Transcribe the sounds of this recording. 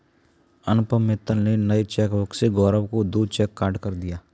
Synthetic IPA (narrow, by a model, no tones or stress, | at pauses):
ɐnʊpəmːɪt̪ːəlnenɐit͡ʃɛːkʋʊkseɡɔːɾəbkod̪ot͡ʃɛːkːaːɾɖkɐɾd̪ijaː